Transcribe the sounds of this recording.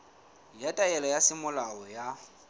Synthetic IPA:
jatʼaɛlajasɪmʊlaɔja

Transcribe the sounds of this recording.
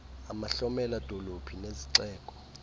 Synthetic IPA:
amaɬɔmɛlad̥ʱolopʰineziǀɛːkʼɔ̥

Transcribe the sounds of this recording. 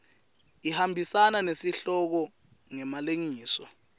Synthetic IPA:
ihambʱisananesiɬɔk̬ɔ | ŋɛmaleŋiːsɔ

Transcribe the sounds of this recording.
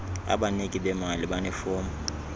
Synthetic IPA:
a̰banekʼɪbɛmalɪbanɛfoːmʊ

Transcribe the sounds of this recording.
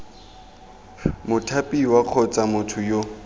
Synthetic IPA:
mʊtʰapʼiwaq͡χʰɔt͡sʼamʊtʰʊjo

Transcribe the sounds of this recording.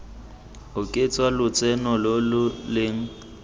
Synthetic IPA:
ʊkʼɪt͡sʼwalʊt͡sʼɛnɔlolʊlɪŋ̩

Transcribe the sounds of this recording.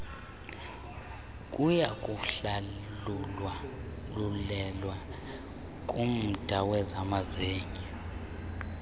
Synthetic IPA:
kʼujak̬ʼuɬa | ulɛlwa | kʼum̩d̥ʱawɛzamazeːŋi

